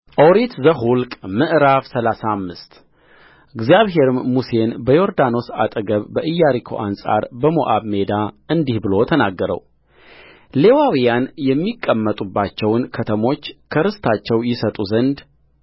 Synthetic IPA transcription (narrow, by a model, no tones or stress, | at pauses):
ʔowɾit̪zəɦulkʼmɨʔɾafsəlasamːɨst̪ | ʔɨɡzjaβɦe̞ɾmːuse̞nbəjo̞ɾd̪ano̞sa̰t̪ʼəɡəβːəʔɨjːaɾikʰo̰ʔansʼa̰ɾbəmo̰ʔaβme̞d̪aɨnd̪ihbɨlo̞t̪ʰənaɡːəɾə̰w | le̞wawijanjɛmːikʼːəmːət̪ʼubːat͡ʃːɛwnkʰət̪ʰəmo̞t͡ʃːkʰəɾɨst̪ʰat͡ʃːɛwjɪsət̪ʼuzənd̪